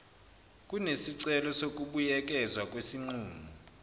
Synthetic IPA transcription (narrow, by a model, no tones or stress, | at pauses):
kʼunesiǀɛlɔsok̬ʼuɓujɛk̬ʼɛzwak̬ʼwesiŋ͡ǀuːmu